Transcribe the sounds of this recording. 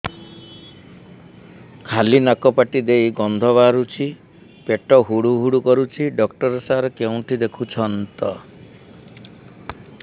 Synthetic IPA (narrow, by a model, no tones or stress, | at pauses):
kʰalinakɔpaʈid̪ejɡɔnd̪ʱɔβaɾut͡ʃʰi | peʈɔɦuɽuɦuɽukɔɾut͡ʃʰiɖɔkʈɔɾɔsaɾɔkeũʈʰid̪ekʰut͡ʃʰɔnt̪ɔ